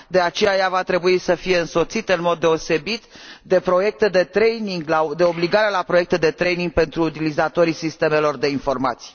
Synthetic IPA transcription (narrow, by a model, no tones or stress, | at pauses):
d̪e̞at͡ʃe̞jajavat̪ɾe̞buisəfije̞ɨnso̞t̪sit̪ɨnmo̞d̪ːe̞o̞se̞bit̪d̪e̞pɾo̞je̞k̚t̪e̞d̪e̞t̪ɾejniŋɡlad̪e̞o̞bliɡaɾelapɾo̞je̞k̚t̪ed̪e̞t̪ɾejniŋɡ̚pe̞nt̪ɾuːt̪ilizat̪o̞ɾisist̪e̞me̞lo̞rd̪e̞info̞rma̰t̪si̥j